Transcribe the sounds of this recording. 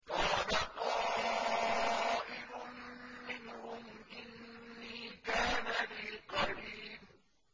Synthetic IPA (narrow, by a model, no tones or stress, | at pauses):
kɑːlaqɑːlɪ | aːʔɪɾʊnmɪnhʊmʔɪnːiːkaːnaliːqɑɾiːm